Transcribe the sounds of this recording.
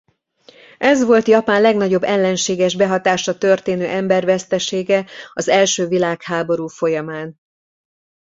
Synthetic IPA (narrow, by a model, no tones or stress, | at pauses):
ʔɛzʋo̞lt̪jɒpaːnlɛɡnɒɟo̞bːɛlːɛnʃeːɡɛʒbɛɦɒt̪aːʃɒt̪ørt̪eːnøːʔɛmbɛrvɛst̪ɛʃeːɡɛɒzɛlʃøːvilaːkhaːbo̞ɾuːfo̞jɒmaːn